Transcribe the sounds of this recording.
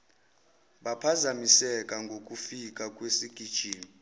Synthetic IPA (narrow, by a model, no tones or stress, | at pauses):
ɓapʰazamisɛkʼaŋɡʱokʼufikʼakʼwesiɡ̥ʱid̥ʒ̥ʱiːmi